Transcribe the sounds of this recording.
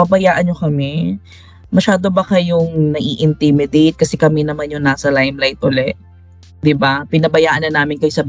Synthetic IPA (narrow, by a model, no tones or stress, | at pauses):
pɐbɐjaːʔɐnɲokɐmɛ | mɐʃaːd̪o̞bɐkɐjʊŋnɐʔiːʔɪnt̪ɪmɪd̪ejt̪̚kɐsɛkɐmɛnɐmanjʊŋnaːsɐlajmlajt̪̚ʔolɛʔ | d̪ɪbapɪnɐbɐjaːʔɐnɐnaːmɪnkɐjsɐb